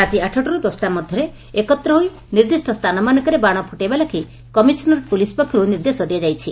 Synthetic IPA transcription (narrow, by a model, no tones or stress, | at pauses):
at̪iaʈʰɔʈɔɾud̪ɔsʈamɔd̪ʱjɔɾe | ekɔt̪ɾɔɦoj | niɾd̪isʈɔst̪ʰanɔmanɔkɔɾebaɽ̃ɔpʰuʈebalɔkʰi | kɔmisɔnɔɾpulispɔkʰːiɾuniɾd̪esɔd̪ejad͡ʒajt͡ʃʰi